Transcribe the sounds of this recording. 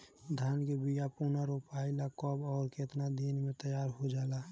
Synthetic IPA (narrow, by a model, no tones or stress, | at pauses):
d̪ʱaːnkebijapuːnaɾupaːɪlakɔbɔːɾket̪nad̪iːnmẽt̪əjaːɾɦod͡ʒaːla